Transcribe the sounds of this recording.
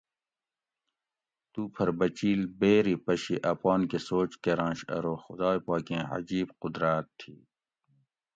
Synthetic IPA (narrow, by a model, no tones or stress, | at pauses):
t̪uːpʰɐɾbɐt͡ɕiːlbeːɾipɐʃiʔɐpaːnkesoːt͡ʃkeɾãːʃɐ̰ɾoːxʊd̪aːjpaːkẽːɐ̰d͡ʑiːbqʊd̪ɾaːt̪ʰːḭː